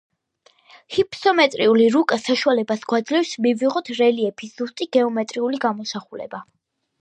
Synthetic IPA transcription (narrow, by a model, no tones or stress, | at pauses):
hipʰsɔmɛt̪ʼɾiuliɾukʼasaʃualɛbasɡwad̪zlɛfsmiviʁɔt̪ʰɾɛliɛpʰisz̥ust̪ʼiɡ̥ɛɔmɛt̪ʼɾiuliɡamɔsaχulɛ̰ba